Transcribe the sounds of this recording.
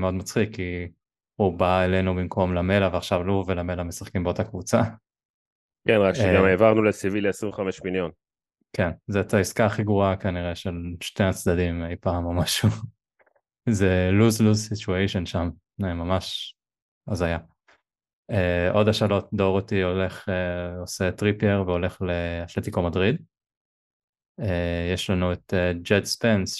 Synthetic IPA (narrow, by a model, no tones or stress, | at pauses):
meo̞d̪̚mat͡sχikʰːi | ubaele̞nubimkʰo̞mlame̞laveaχʃavlovelame̞lamesaχkimbeotakvut͡sa | kenʁakʃeɡameːvaʁnulesiviliasʁimvχameʃmiljo̞n | kʰenzet̪aiskaːχiɡʁuakaniʁeʃelʃneat͡sd̪adimejpaːmomaʃu | zeluzluzsituejʃonʃam | emamaʃ | azaja | eʔo̞daʃalo̞t̚do̞ʁot̪iole̞χeoset̪ʁipeʁveo̞le̞χleaʃlet̪ikomadʁid̪ | ejeʃlanueted͡ʒedspens